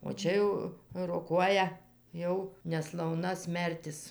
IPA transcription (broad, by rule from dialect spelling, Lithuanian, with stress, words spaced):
oː ˈt͡ʃʲɛ jɛʊ roːˈkuɔjɛ ˈjɛʊ nʲɛslˠɐʊˈnɐ ˈsʲmʲɛrʲtʲɪs